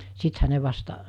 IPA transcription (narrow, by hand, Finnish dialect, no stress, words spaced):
sithæ ne ʋɑstɑ